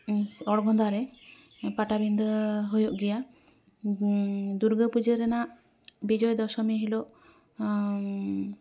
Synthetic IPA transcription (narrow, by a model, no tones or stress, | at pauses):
sɔɽɡɔnd̪aɾɛ | paʈabind̪ɔɦojɔʔɡɛja | d̪uɾɡəpud͡ʒeɾɛnaʔ | bid͡ʒɔjd̪ɔʃɔmeɦilɔʔ